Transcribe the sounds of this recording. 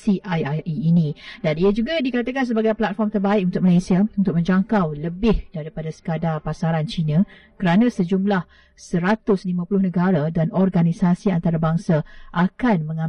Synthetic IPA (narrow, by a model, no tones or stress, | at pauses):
siʔajaiːnĩdaniad͡ʒuɡadikat̪əkans̬əbaɡajplat̪̚fɔrmt̪ərbaɪʔ̚unt̪ʊk̚malesiaunt̪ʊk̚mə̃ɲd͡ʒaŋkawləbɪhdaɾipadasə̥kadapasaɾant͡ʃinã | kəɾanãsəd͡ʒumlah | səɾat̪ʊslimãpulʊhnəɡaɾadanɔrɡanisasiant̪aɾabaŋsaʔakanmə̃ŋã